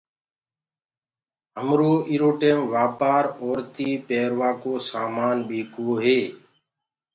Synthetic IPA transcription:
ɦəmɾoːʔiːɾoːʈeːmʋaːpaːɾoːɾt̪iːpeːɾʋaːkoːsaːmaːnɓeːkoːɦeː

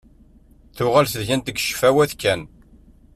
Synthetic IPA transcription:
θʊʁalθəðʝænt̪əɡʃfæwæθkːæn

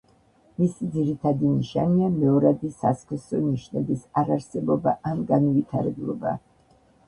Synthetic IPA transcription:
misid̪ziɾit̪ʰad̪iniʃaniamɛɔɾad̪isa̰skʰɛsɔniʃnɛbisaɾaɾsɛbɔbaʔamɡanvit̪ʰaɾɛbulˠɔba̰

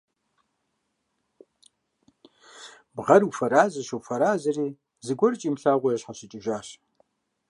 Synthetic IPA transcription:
bʁɐrwufɐɾaːzɐʃɐwfɐɾaːzɐriː | zɨɡʷɔrt͡ʃʼiːmɬaːʁʷʊjɐɕħaɕɪt͡ʃʼɪʒaːɕ

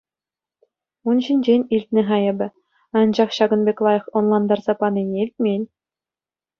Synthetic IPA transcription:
unɕinʲd͡ʑenʲilʲt̪ʲnʲɘ̆χɑjɘ̆bʲɘ̆ | ɑnd͡ʑɑχɕɑɡɤ̆nbʲekʲlˠɑjɤ̆χonlˠɑnd̪ɑrz̥ɑpɑnʲinʲeilʲt̪ʲmʲelʲ

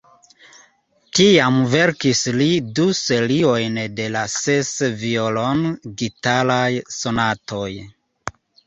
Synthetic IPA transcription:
tiamve̞ɾkisliduse̞lio̞jnde̞lase̞sviolo̞nɡitalajso̞natʰo̞j

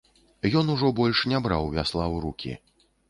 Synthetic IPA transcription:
jɔnuʐɔbɔlʲʂnʲabɾawvʲaslˠawɾukʲḭ

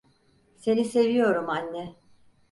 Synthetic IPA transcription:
se̞nise̞vijo̞ɾumanːɛ

